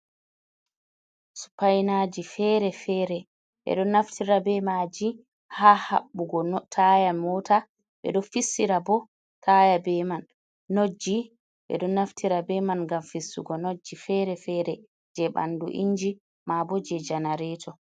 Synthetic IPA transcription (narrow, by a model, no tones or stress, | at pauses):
su̥pajnad͡ʒifɛɾɛfɛːɾɛ | ɓɛ̰ɗɔnːaftʰiɾabɛmad͡ʒi | haːha̰ɓːuɡɔnɔtʰajamɔta | ɓɛ̰ɗɔfisːiɾabɔ | tʰajabɛmanː | od͡ʒːi | ɓɛ̰ɗɔnːaftʰiɾabɛmanɡamfisːṵɡɔnod͡ʒːifɛɾɛfɛɾɛ | d͡ʒɛɓa̰ndṵʔḭɲd͡ʒi | mabɔd͡ʒɛd͡ʒanaɾɛːtʰɔ